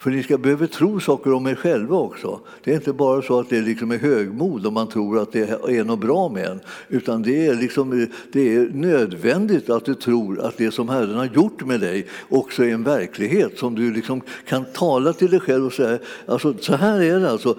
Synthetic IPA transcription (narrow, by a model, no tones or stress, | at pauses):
fœɾnɪskabɛhøːvət̪ʰɾuːsɑːkəɾɔmɛɾɧɛlvaɔksɔ̰ | d̪̥ɛːɾɪnt̪əbɑːɾasɔat̪̚d̪ɛlɪksɔmɛɾɦøːɡmuːd̪ɔmːant̪ʰɾuːɾat̪̚d̪ɛænɔbɾɑːmɛd̪ɛ̰nːʉ̟ːt̪and̪ɛæɾlɪksɔmd̪̥ɛænøːd̪vɛnd̪ɪt̪at̪̚d̪ɵt̪ʰɾuːɾa̰t̪̚d̪ɛsɔmɦæɾənhaɾjʊʈːmɛd̪ɛjʔɔksɔɛɾɛnvæɾkʰlɪɡɦeːt̪sɔmd̪ɵlɪksɔmkʰant̪ʰɑːlat̪ʰɪld̪ɛjɧɛlvɔsɛjːaʔalsɔsɔɦæːɾæɖɛalsɔ